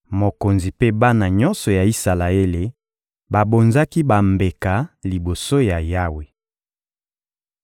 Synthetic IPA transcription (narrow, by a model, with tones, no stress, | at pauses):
mo˨ko˨nzi˨pe˦ba˦na˨ɲɔ˦nsɔ˨ja˨i˦sa˨la˨e˦le˨ | ba˨bo˨nza˦ki˦ba˨mbe˨ka˨li˨bo˨so˦ja˨ja˦we˨